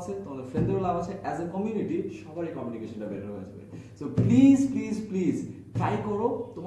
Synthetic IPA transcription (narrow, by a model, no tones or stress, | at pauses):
t͡ɕʰet̪omad̪eɾfeld̪eɾolːabat͡ɕʰeʔɛzəkɔmjuniʈiʃɔbaɾekɔmjunikeʃɔnʈabeʈʰanoɦoad͡ʑʰabḛsoplizplizpliz | ʈajkɔɾot̪om